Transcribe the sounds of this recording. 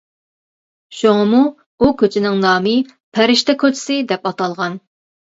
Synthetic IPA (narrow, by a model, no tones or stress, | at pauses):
ʃoŋɨmu | ukʲʰøt͡ʃʰinɪŋnɑːmɨ | pʰæɾɪʃt̪ɛkʰʲøt͡ʃʰɪ̥sɪd̪ɛpɑt̪ɑlˠʁɑn